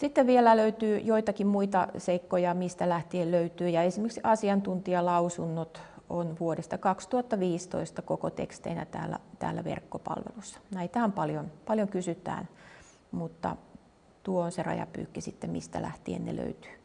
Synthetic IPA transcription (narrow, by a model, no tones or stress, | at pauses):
sit̪ːeʋʋielæløyt̪yːjoit̪ɑkimmuit̪ɑ̰seikːojɑmist̪ælæht̪ielløyt̪yːjɑesimeksɑsiɑnt̪unt̪iɑlɑusunːot̪onʋuodest̪ɑkɑkst̪uhɑt̪ːɑʋiːst̪o̰ist̪ɑkokot̪ḛkst̪ḛinæ̰t̪æ̰ːlːæ̰t̪æ̰ːlːæʋḛrkːopɑ̰lʋḛlusːɑ̥næit̪æːmpɑljonpɑljoŋkysyt̪æ̰ːn | mut̪ːɑ̰ | t̪uoonserɑ̰jɑ̰py̰ːkːisit̪ːemmist̪æ̰læ̰ht̪iḛnnḛlø̰yt̪y̥ː